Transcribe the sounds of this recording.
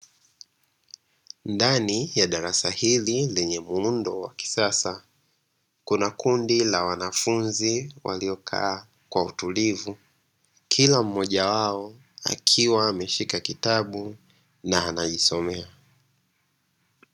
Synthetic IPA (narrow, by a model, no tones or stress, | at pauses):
ndanijaɗaɾasahililɛɲɛmuundɔwaki̥sasa | kunakundilawanafunziwʔa̰liɔkʰa̰ː | kwautulivu | kʰilam̩mɔʄawaɔ | a̰kʰiwaːmɛʃikakitaɓu | naːnaʄisɔmɛa